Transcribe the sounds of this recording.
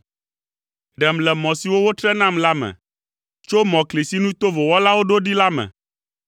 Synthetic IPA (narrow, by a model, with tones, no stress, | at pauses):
ɖɛ˨mlɛ˨mɔ̃˨si˨wo˦wo˦t̪ɾɛ˦nã˦mla˦mɛ̰̃˨ | t͡ʃo˦mɔ̃˨kli˨si˦nũ˦t̪o˦vo˨wɔ˦la˦wo˦ɖo˦ɖi˦la˦mɛ̰˨